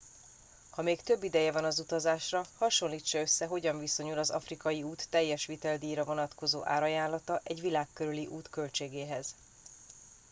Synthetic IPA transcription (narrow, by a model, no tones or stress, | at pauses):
hɒmeːkt̪ø̞bːid̪ɛjɛvɒnɒzut̪ɒzaːʃrɒhɒʃo̞nliːt͡ʃːɒø̞sːɛɦo̞ɟɒɱviso̞ɲulɒzɒ̰frikɒjiuːt̪ːɛjːɛʃʋit̪ɛld̪iːɾɒvo̞nɒt̪ko̞zo̰ːʔa̰ːɾɒjaːnlɒt̪ɒʔɛɟʋilaːkːøɾyliʔuːt̪kølt͡ʃeːɡeːɦɛz